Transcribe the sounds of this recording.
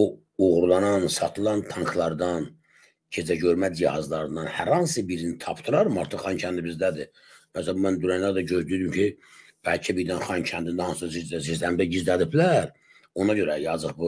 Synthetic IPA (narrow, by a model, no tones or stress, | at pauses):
o | uɣɾlˠɑnɑnsɑt̪ʰɯlˠɑnt̪ʰɑŋkʰlˠɑɾd̪ɑn | cʰe̞d͡zæɟøɾmæd͡ʒihɑ̰zlˠɑɾɯnd̪ɑnhæɾhɑnsɯbiɾinit̪ʰɑpʰt̪ʰɯɾɑɾmɑɾt̪ʰɯχχɑncʰænd̪ibizd̪æd̪i | mæsælæmmænd̪yɾænlæɾd̪æɟøzd̪yd̪ymcʰi | b̥ælcʰæbiɾd̪ænχɑncʰænd̪ind̪æhɑnsɯsɑzizizlæmd̪æɟizd̪æd̪iblæɾ | o̞nɑɟø̞ɾæjɑzɯχbu